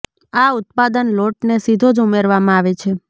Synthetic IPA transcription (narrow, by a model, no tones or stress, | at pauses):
aʊt̪̚pad̪ənloʈnesid̪ʱod͡ʒumeɾʋamãaʋet͡ʃʰe